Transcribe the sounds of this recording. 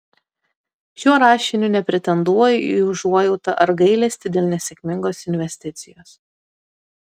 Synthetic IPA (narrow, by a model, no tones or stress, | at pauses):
ʃʲuɔɾɑːʃʲɪnʲunʲɛpʲɾʲɪt̪ʲɛnd̪uɔjʊiʊʒuɔjɛʊt̪ɐʔɐɾɡɐɪlʲɛsʲt̪ʲɪd̪ʲeːlˠnʲɛsʲɛkʲmʲɪŋɡoːsɪnʲʋʲɛsʲt̪ʲɪt̪sʲɪjoːs